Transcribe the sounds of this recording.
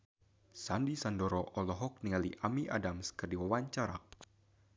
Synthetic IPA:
sandisandɔɾɔʔɔlɔɦɔk̚niŋaliʔamiʔa̰damskərdiwawaɲt͡ʃaɾa̰

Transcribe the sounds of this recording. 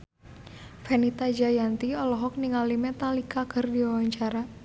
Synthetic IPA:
fɛnit̪ad͡ʒajant̪iɔlɔɦɔk̚niŋalimɛt̪alikakɨrdiwawaɲt͡ʃaɾa

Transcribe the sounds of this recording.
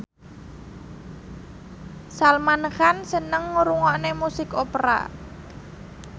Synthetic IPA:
salmanəxansənəŋːuɾuŋɔʔnemusɪkopɾa̰

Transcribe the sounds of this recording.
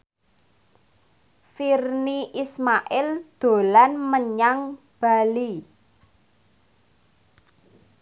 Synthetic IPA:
firniʔismaʔɪld̪̥o̤lanməɲaŋ | b̥a̤li

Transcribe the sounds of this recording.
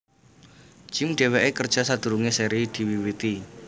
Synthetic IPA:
d̥d͡ʒ̥imɖ̥eweʔekərd̥ʒ̥a̤sad̪̥ṳɾuŋeseɾid̪̥iwiwit̪i

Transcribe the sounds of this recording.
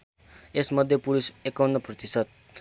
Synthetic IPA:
esmʌd̪ʱjʌpulusekawnːʌprʌt̪isʌt̪̚

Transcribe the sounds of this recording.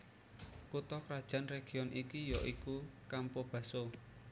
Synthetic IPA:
kut̪ɔkɾad̥ʒ̥a̤nreɡ̥i̤ɔnʔikijɔʔikukampob̥ä̤so

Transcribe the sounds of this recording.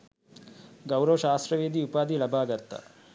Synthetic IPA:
ɡɐwɾɐʋɐʃaːst̪ɾɐʋeːd̪iupaːd̪ilɐbʱaːɡɐɾt̪ːɐ̰

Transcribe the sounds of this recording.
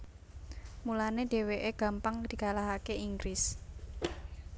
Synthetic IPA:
mulaneɖ̥e̤weʔeɡ̥ä̤mpaŋd̪̥i̤kalaɦakeiŋɡɾɪs

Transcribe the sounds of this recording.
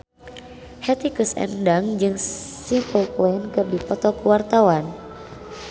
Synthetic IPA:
hɛt̪ikusɛ̰ndaŋd͡ʒɨŋsimpəlplɔnkərdipɔt̪ɔkəwart̪awan

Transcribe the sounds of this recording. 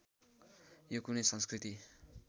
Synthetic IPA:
jokunesʌnskrit̪i

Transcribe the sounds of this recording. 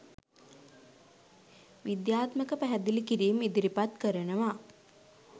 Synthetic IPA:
ʋid̪jaːt̪məkəpæɦæd̪ilikiɾiːmid̪iɾipat̪kəɾənəʋa

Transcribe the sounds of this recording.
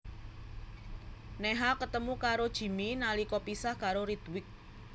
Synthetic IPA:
nɛɦakət̪əmukaɾod̥ʒ̥i̤minalikɔpisahkaɾoɾit̪wɪk̚

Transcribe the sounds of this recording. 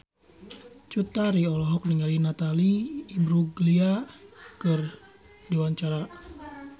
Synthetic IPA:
t͡ʃut̪aɾiɔlɔɦɔk̚niŋalinat̪aliːbɾuɡliakɨr | diwaɲt͡ʃaɾa

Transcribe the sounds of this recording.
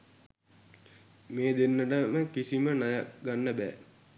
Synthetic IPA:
meːd̪enːəʈəməkisimənajaɡanːəbɛ̰ː

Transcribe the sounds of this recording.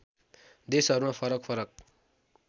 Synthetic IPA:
d̪esʌɾumapʰʌɾʌkpʰʌɾʌk̚

